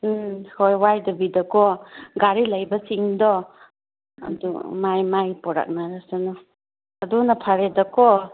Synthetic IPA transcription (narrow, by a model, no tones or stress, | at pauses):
hojwajdɔbidɐkɔɡaɾilɐjbɐsiŋdɔ | ɐ̰dṵmajmajpɔɾa̰k̚naɾasenɔ | ɐdunapʰaɾedɐkɔ